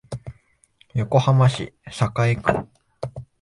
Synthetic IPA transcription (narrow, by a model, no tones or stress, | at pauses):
jo̞ko̞hamaɕḭsakaikɯ̰̃